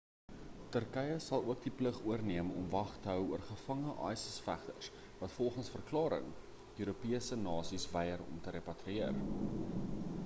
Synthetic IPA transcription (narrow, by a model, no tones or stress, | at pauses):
tərkɛjəsɐlˠuək̚dipləχuərniəmɔ̰mvɐχtəɦœwuərχəfɐŋəʔɑ̰jsəsfæχtəs | vɐtfɔlˠχənsfərklɑːɾə̰ŋ | øyːɾupiəsənɑːsisvɛjərɔ̰mtəɾepɐtriiər